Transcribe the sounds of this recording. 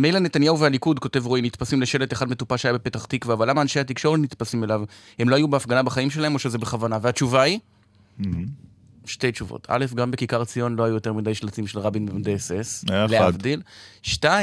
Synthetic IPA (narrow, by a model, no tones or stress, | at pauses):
mejlane̞tanjahuvealikudko̞te̞vʁoinit̪pasimleʃe̞let̪eχadme̞tupaʃeajabepe̞taχt̪ikveavalːamaːnʃehat̪̬ikʃo̞ʁetnit̪pasimelavhemloajubeafɡanabaχaimʃelaɦe̞mo̞ʃezebeχavanavehat͡ʃuvai | ʃte̞jt͡ʃuvo̰tʰa̰le̞fɡambe̞kikaʁt͡sijo̞nlo̞ajujo̞te̞ʁmidajʃlat͡simʃelʁabinbemd̪esesleavdilʃta